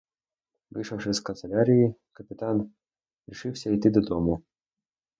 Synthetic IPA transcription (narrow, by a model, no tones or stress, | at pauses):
ʋɪ̰jʃɐwʂɪskɐnselʲaɾʲijikɐpʲɪt̪ɑn | ɾʲiʃɪwsʲɐijt̪ɪd̪ɔd̪ɔmʊ